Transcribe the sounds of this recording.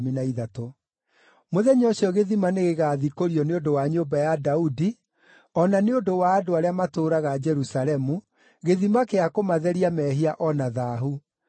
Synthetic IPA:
minaiðato | moðɛɲɔɕiɔɣeðimaneɣeɣaːðikoɾiɔneondowaɲombajadaudi | ɔnaneondowaːdoaɾeamatoːɾaɣad͡ʒɛɾusaɾɛmu | ɣeðimakeakomaðɛɾiamɛːɦiaʔɔnaðaːɦu

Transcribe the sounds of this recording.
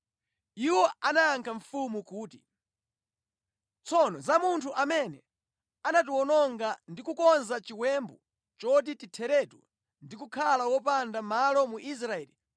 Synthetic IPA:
iwɔanaːŋkʰaɱfumukuːti | t͡sʰɔnɔzamuntʰuʔamɛnɛ | anat̬iwɔnɔŋɡandikukɔnzat͡ʃiwɛmbu | t͡ʃɔtititʰɛɾɛtṵ | ndikukʰalawɔp̬andamalɔmuʔis̬ɾaɛːli

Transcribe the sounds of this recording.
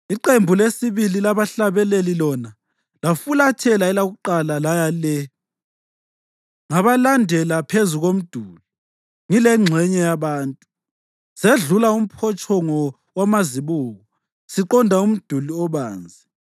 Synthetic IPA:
iǃembʱulesiβililaβaɬaβɛlelilɔna | lafulatʰɛlaɛlaɣuǃalalajalɛ | ŋaβalandʱɛlapʰezuɣom̩d̥ʱuːli | ŋilɛŋ͡ǁʱɛɲɛjaβaːntʼu | seɮulaum̩pʰɔt͡ʃʼɔŋɔ | wamaziβuːɣɔ | siǃɔndʱaum̩d̥ʱuliɔβa̰ːnd͡zʱi

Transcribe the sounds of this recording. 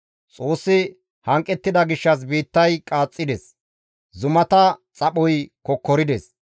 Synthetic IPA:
t͡sʼo̞ːsːɪ | hɐŋkʼːɛt̪ːɪd̪ɐɡɪʃːɐs̬biːt̪ːɐjkʼaːt͡sʼːɪd̪ɛs | zʊmɐt̪ɐt͡sʼɐpɔjkɔkːɔɾɪd̪ɛs

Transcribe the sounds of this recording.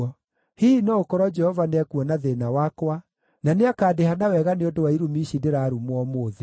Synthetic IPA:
ɔ | hiinɔokɔɾɔd͡ʒɛhɔvanɛkwɔnaðenawakwa | naneakaːdehanawɛɣaneondowaiɾumiʃideɾaːɾumwɔmoːðe

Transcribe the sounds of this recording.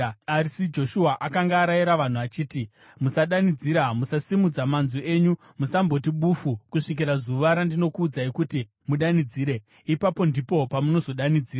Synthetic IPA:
arisid͡ʒo̞ʃuaʔakaŋɡaːɾaiɾaʋan̤uʋat͡ʃiːti | musaɗanid͡ziːɾamusasimud͡zamanzue̞ɲu | musambo̞t̬iɓufukuʂik̬iɾazuʋaɾandino̞kuːd͡zaikuti | muɗanid͡ziːɾe̞ | ipapo̞ndipo̞pamuno̞zo̞ɗanid͡ziːra

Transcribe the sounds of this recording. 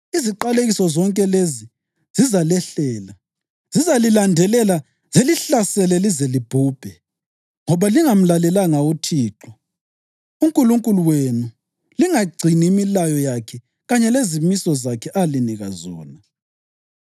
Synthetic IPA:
iziǃaleɣisɔzɔŋkʼɛlezi | z̥izalɛɬɛːla | zizalilandʱɛlɛla | zeliɬasɛlɛlizelib̥ʱuːb̥ʱɛ | ŋɔβaliŋam̩lalɛlaŋautʰiːǁɔ | uŋkʼuluŋkʼuluwenu | liŋaɡ͡ǀʱiniimilajɔjakʰɛ | ɣaɲɛlezimisɔzakʰɛʔaliniɣazɔ̰ːna

